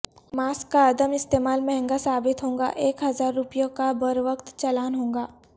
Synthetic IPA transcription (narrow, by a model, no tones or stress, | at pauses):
maːskːaɐd̪əmɪst̪eːmaːlmɛɦɛ̃ŋɡasaːbɪt̪ɦõːŋɡa̰ʔeːkɦɐzaːɾːʊpijõkabəɾʋəkt̪t͡ʃɐlaːnɦõːŋɡaː